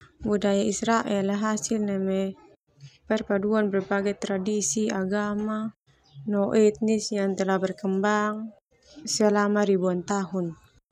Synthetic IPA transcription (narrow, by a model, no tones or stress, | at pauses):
budajaisɾaʔɛlɦasilnɛmɛ | pɛrpaduanbɛrbaɡajt̪ɾadisiaɡama | nɔʔɛt̪̚nisjaŋt̪ɛlabɛrkəmbaŋ | salamaɾibuant̪aɦun